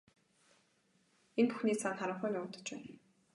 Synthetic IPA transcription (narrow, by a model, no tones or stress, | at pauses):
enpuxniːsanχaɾə̆ɴχœːnʊːt̪ə̥̆t͡ɕpæːn